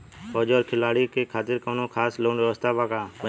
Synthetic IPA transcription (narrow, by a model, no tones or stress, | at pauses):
hoːd͡ʒoːɾkʰɪlaːɽiːkeːkʰaːt̪ɪɾkəːnõːkʰaːsloːɳɾoːst̪aːpaːkaːpə